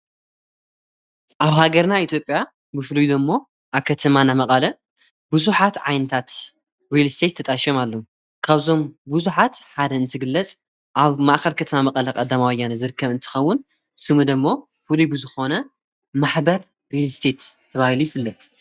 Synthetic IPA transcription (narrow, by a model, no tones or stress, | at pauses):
ʔaβhaɡɐɾnait̪ʰjo̞pʼja | bɨflujd̪ɐmːo̞ | ʔaβkʰɐt̪ʰɐmanamɐkʼɐlɐ | buzuħat̪ʕajnɐt̪ʰat̪ | ɾelst̪ʰet̪ʰːɐt̪ʼaʃomalːom | kʰaβzo̞mbuzuħat̪ħad̪ɐɨnt̪ʰɨɡɨlːɐt͡sʼ | ʔaβmaʔxɐlkʰɐt̪ʰɐmamɐkʼɐlɐkʼɐd̪ːamawjːanɐzɨɾɨkʰːɐβɨnt̪ʰɨ̥xɐwːʊn | sɨmud̪ɐmːo̞ | fɨlubɨzɨxo̞nɐ | maħbɐɾ | ɾelst̪ʰe̞t̪ʰːɐβahilujifɨlːɐt̪ʼ